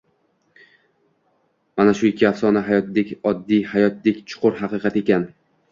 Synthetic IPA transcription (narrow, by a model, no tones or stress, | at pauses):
manaʃʊɪkʲʰːɪafsɒnaɦajɒt̪d̪ekʲɒd̪ːijhajɒt̪̚d̪ekʲt͡ʃʰʊ̥qʰʊɾɦɑqɨqʰɑt̪e̞kʲan